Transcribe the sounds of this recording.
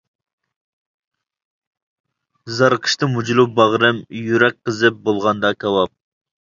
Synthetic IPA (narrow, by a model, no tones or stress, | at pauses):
zɑɾqʰə̥ʃt̪ɨmud͡ʒlˠubɑʁɾɨmjyɾɛk̚ʲqəzɨp̚bolˠʁɑnd̪ɑkʲʰɑwɑp̚